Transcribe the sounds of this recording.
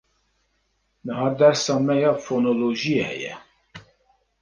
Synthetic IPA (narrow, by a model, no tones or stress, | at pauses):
nəɦɑːd̪ɛɾsɑːmɛjɑːfonoloʒiehɛ̰jɛ̰